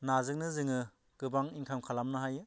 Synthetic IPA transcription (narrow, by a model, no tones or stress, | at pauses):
nazɯk̚nɯzɯŋɯ | ɡ̥ɯbaŋiŋkʰamkʰalamnaɦajɯ